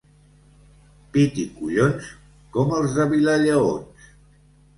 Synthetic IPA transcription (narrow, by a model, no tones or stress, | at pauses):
pit̪ikuʎons | kɔməlˠzðəβilaʎəo̰ns